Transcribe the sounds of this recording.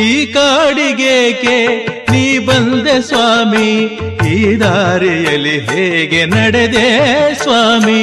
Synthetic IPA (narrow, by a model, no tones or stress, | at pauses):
iːkaːɽiɡeːɡeniːbɐnd̪esʋaːmihiːd̪aːɾijɐlːiɦeːɡenɐɽed̪esʋaːmi